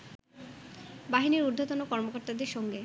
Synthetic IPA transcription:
baɦiniɾuɾd̪ʱat̪onokɔɾmokoɾt̪ad̪eɾʃɔŋɡe

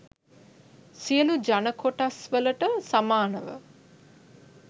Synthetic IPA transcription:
siəlud͡ʒanəkoʈasʋələʈəsamaːnəʋə̰

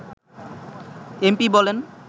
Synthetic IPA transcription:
empibɔlen

